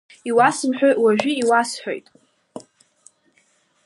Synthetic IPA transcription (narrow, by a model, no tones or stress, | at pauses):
iwasɨmħʷᶣojʔwaʒᶣiiwasħᶣo̰jtʼ